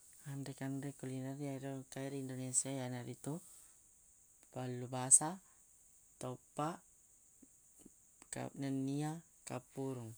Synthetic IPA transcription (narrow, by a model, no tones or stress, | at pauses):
andɛkandɛkulinarijaiɾokaiɾindonesiajanaɾit̪u | palːubasa | t̪ɔpaʔ | ka̰nənia | kapuɾuŋ